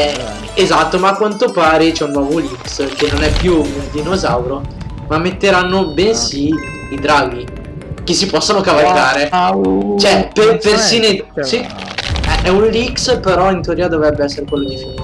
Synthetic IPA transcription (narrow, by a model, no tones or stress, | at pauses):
ɛ | ezat̪ːomaːkːwant̪opaːɾit͡ʃɛunːɔvolikskenːonɛpːjuund̪inozawɾo | mamːet̪ːeɾanːobɛnsiː | d̪ɾaɡːi | kesːipɔsːonokavalkaːɾe | t͡ʃoɛpepersiːnosiɛɛunlikspeɾɔint̪eoɾiːad̪ovɾɛbːeɛsːeɾekwelːod̪isu